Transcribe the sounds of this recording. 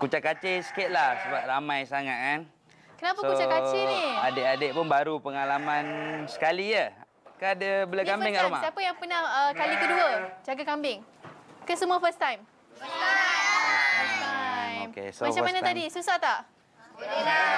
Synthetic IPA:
kut͡ʃakat͡ʃesə̥kɪt̪̚lahsəbap̚ramãjsaŋat̪̚kan | kənapaskut͡ʃakat͡ʃeniadeʔadeʔ̚pʊnbaɾupəŋalamansə̥kalijə | kaadəbəlakambɪŋaʔɾuma̰siapəjaŋpənahəkalikəduəd͡ʒaɡakambɪŋ | kəsəmuafəst̪ajm | fəsajmkḛsomaamanaadisusaht̪aʔ

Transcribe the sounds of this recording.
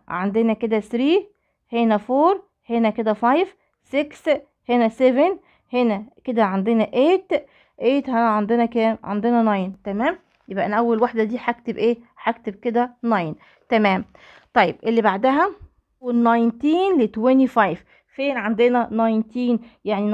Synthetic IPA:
ʕand̪enæked̪æsɾiː | henæfoːɾˤ | henæked̪æfɑjv | seks | henæseven | henæked̪æʕand̪enæʔeːt̪ | ʔeːt̪hænæʕand̪enækæːʕa̰nd̪enænɑjnt̪æmæːm | jebʔænæʔæwːælwaħd̪æd̪iːħak̚t̪ebʔeːħak̚t̪eb̚ked̪ænɑjn | t̪æmæːm | t̪ˤɑjːebʔelːibaʕd̪æɦæ | wenːɑjnt̪iːnlet̪wænifɑjv | feːnʕand̪enænɑjnt̪iːnjaʕni

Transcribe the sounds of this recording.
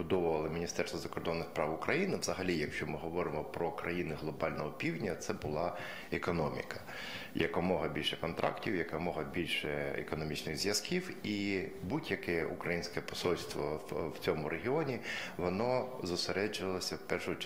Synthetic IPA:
bʊd̪ɔʋʊʋɐlˠɪmʲinʲist̪ɛrst̪ɔzɐkɔrd̪ɔnːɪxspɾɑwʊkɾʔɐjinɪʋzɐɦɐlʲijɐkʃt͡ʃɔmɪɦɔʋɔɾɪmɔpɾɔkɾɐjinɪɦlˠɔbɑlʲnɔɦɔpʲiwdʲnʲɐt̪sɛbʊlˠɑ | ekɔnɔmʲḭkɐ | jɐkɔmɔɦɐbʲilʲʃɛkɔnt̪ɾʔɑ̰ktʲiwjɐkɐmɔɦɐbʲilʲʃɛɛ̰kɔnɔmʲit͡ʃnɪɣzʲjɐskʲiwibudʲjɐkɛʔṵkɾɐjinʲsʲkɛpɔ̥sulʲst̪ʋɔwt͡sʲɔmʊɾʔeɦʲiɔnʲiʋɔnɔzʊseɾɛd͡ʒʊʋɐlˠɐsʲɐwpɛrʃʊ

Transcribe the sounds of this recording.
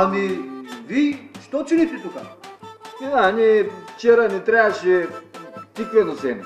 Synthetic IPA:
aniviʃt̪ɔt͡ʃulit̪ɛt̪uka̰ | anift͡ʃɛɾanit̪ɾaɐʃɛ | t̪iplɛnosɛni

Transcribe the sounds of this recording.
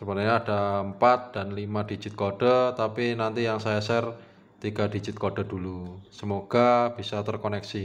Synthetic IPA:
səpənaɲaːd̥aəmpat̪̚d̥a̤nlimad̥i̤d͡ʒɪt̪̚koɖ̥ət̪apinant̪ijaŋsajasɛr | t̪iɡ̥a̤d̥i̤d͡ʒɪt̪̚koɖ̥a̤d̥ulusəmoɡ̥ab̥isat̪ərkonɛksi

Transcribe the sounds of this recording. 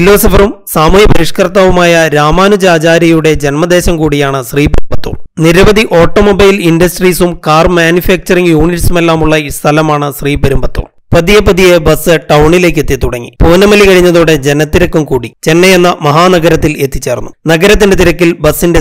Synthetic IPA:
filo̞ːsɐfɐrumsaːmujɐpɐɾiʂkɐrt̪aːʋumaːjɐɾaːmaːnud͡ʑaːt͡ɕaːɾɐjuɽe̞d͡ʑenmɐd̪e̞ːɕɐmkuːɽijaːɳɨɕriːpɐɾmbɐt̪ːo̰ːniɾɐʋɐd̪ʱiʔo̞ːʈːoːmobɐjlindɐsʈriːsumkaːrmjaːnjufeːk̚t͡ɕɐriŋjuːɳiʈsume̞lːaːmuɭːɐist̪ʰɐlɐmaːɳɨɕriːpɐɾumbɐt̪ːo̰ːm | pɐðijepɐd̪ijebɐsɨʈɐwɳile̞ːk̬ːe̞t̪ːiɐt̪uɽɐŋːḭpuːnɐmɐlikɐɻiɲːɐðoːɽe̞d͡ʑe̞nɐt̪ːiɾɐkːumkuːɽit͡ɕe̞nːɐjenːɐmɐɦaːnɐɡɐɾɐt̪ːile̞t̪ːi̥t͡ɕːe̞ːrnːunɐɡɐɾɐt̪̬ːindeiɾɐkːilbɐsːinde

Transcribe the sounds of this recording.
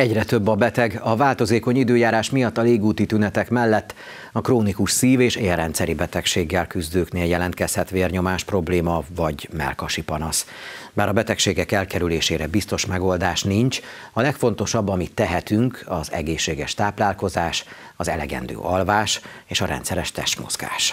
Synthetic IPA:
ɛɟrɛt̪øbːɒbɛt̪ɛɡɒvaːlt̪o̞zeːko̞ɲid̪øːjaːɾaːʃmijɒt̪ːɒleːɡuːt̪it̪ynɛt̪ɛkmɛlːɛt̪ː | ɒkroːnikuʃsiːveːʃeːlrɛnt̪sɛɾibɛt̪ɛkʃeːɡːɛlkyzd̪øːkneːljɛlɛnt̪kɛshɛt̪ʋeːrɲo̞maːʃpro̞bleːmɒvɒɟmɛ̰lkɒʃipɒnɒsbaːɾɒbɛt̪ɛkʃeːɡɛkɛlkɛɾyleːʃeːɾɛbist̪o̞ʃmɛɡo̞ld̪aːʃniɲt͡ʃɒlɛkfo̞n̪t̪o̞ʃɒbːɒmit̪ːɛɦɛt̪yŋkʰɒzɛ̰ɡeːʃːeːɡɛʃt̪aːplaːlko̞zaːʃ | ɒzɛlɛ̰ɡɛ̰nd̪ø̰ːʔɒlvaːʃeːʃɒɾɛ̰nt̪sɛɾɛʃt̪ɛ̰ʃt̪mo̞̰z̥ɡa̰ːʃ

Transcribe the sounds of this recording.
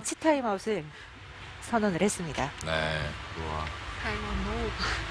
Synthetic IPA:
t͡ɕʰitʰaimaosʰɯɭ | sʰʌnʌnɯɭhe̞s͈ɯmɲidanḛkɯɾowa̰kʰaɭmanmok

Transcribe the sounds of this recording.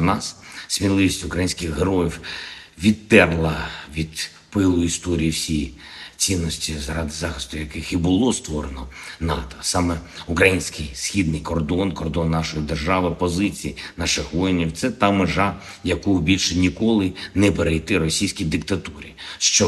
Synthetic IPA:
nɑssʲmʲilˠɪʋʲisʲtʲʊkɾɐjinʲsʲkɪxɦeɾɔjiwʋʲid̪t̪ɛrlˠɐʋʲid̪̥ | pɪlˠʊist̪ɔɾʲijiwsʲij | t͡sʲinːɔsʲtʲizɾɑd̪ɪzɑxɪst̪ʊjɐkɪxibʊlˠɔst̪ʋɔɾenɔnɑt̪ɔ̥sɑmɛʊkɾɐjinʲsʲkɪjsxʲid̪nɪjkɔrd̪ɔnkɔrd̪ɔnːɑʃɔjid̪erʒɑʋɪpɔzɪt͡sʲijinɑʃɪxʋɔjinʲiwt̪sɛt̪ɑmɪʒɑ | jɐkɔʊbʲilʲʃɪnʲikɔlˠɪnɛpeɾejt̪ɪɾɔsʲijsʲkʲijd̪ɪkt̪ɐt̪uɾʲḭʃt͡ʃɔ

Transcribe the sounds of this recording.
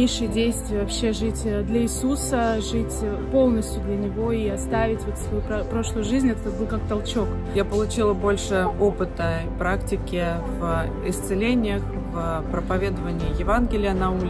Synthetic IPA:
eʂɨjədʲejst̪vʲɪjəvɐpɕːe̞ʐɨtʲd̪lʲɐɪsusəʐɨtʲpo̞lˠnəsʲtʲjʊd̪lʲɐnʲɪvo̞iɐst̪avʲɪtʲvo̞t̪svɐjuppɾo̞ʂlˠʊjʊʐɨzʲnʲɛt̪ɛt̪bɨlˠkak̚t̪ɐlˠt͡ɕo̞k | japəlˠʊt͡ɕilˠəbo̞lʲʂɨopɨt̪ə | pɾaktʲɪkʲɪ | v | ɪst̪sɨlʲenʲɪjəx | vpɾəpɐvʲe̞d̪əvənʲɪɪjɪvanɡʲɪlʲɪjənɐu

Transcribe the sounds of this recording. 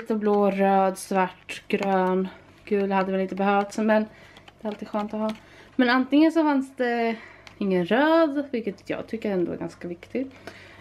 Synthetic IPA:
t̪əbloːɾøːd̪svaʈːɡ̥ɾøːn | kʰʉ̟ːlhad̪ːəvɛlɪnt̪əbɛɦœːft̪smɛn | d̪ɛɾalt̪iːd̪ɧœːnt̪ɔɦɑː | mɛnant̪ɪŋːənsɔfansd̪ɛɪŋːənɾøːd̪vɪlkːət̪ʰjɑ̰ːɡ̚t̪ʰʏkːəɾɛnd̪o̰æ̰ɾɡanskavɪkt̪ɪɡ

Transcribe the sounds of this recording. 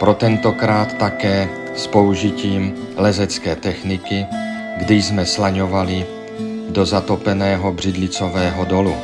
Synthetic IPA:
pɾo̞t̪ɛnt̪o̞kɾaːt̪ːakɛː | spo̞uʒiciːm | lɛzɛt͡skɛːt̪ɛxnɪkɪ | ɡdɪjzmɛslaɲo̞valɪ | do̞zat̪opɛnɛːɦo̞br̝̥ɪdlɪt͡sovɛːɦodo̞lu

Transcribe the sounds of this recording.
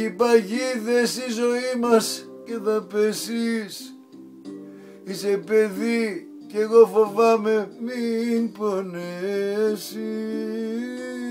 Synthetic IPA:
ipɐʝiðesizo̞imɐs | ceðɐpesis | ise̞pe̞ði | ceɣo̞fo̞vɐme̞miponesi

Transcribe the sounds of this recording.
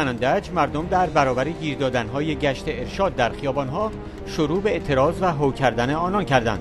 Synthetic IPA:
ænænd̪æd͡ʒmæɾd̪omd̪æɾbæɾɒːbæɾeɟiːɾd̪ɒːd̪ænɦɒːje̞ɟæʃt̪e̞eɾʃɒːd̪̚ːæɾxijɒːbɒnɦɒː | ʃoɾuːbe̞et̪ʰe̞ɾɒːzvæɦocʰæɾd̪æne̞ɒːnɒncʰæɾd̪æ̰nd̪̥

